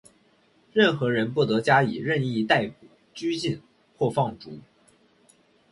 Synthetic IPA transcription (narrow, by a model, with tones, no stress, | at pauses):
ɻə˥˩nxɤ˧˥ɻə˧˥npu˥˩t̪ɤ˧˥t͡ɕja˥ḭ˨˩ɻə˥˧ni˥˧t̪a˥˩ɪpu˨˩ | t͡ɕy˥t͡ɕi˥˧n | kʰwɔ˥˧fɑ˥˩ŋʈ͡ʂu˧˥